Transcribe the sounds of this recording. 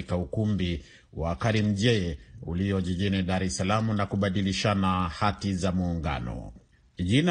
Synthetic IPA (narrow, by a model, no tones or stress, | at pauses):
ikaukumbi | wakaɾim̩ʄɛɛuliɔʄiʄiniɗaɾɛsalamunakuɓaɗiliʃanahatizamuːŋɡa̰nɔ̰ | ʄina